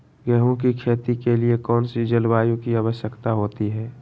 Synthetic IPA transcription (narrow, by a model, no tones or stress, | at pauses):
ɡɛɦõkikʰeːt̪ikeliekɔːnsid͡ʒəlbaːjõkiaːʋəʃjəkt̪aɦoːt̪iɦɛː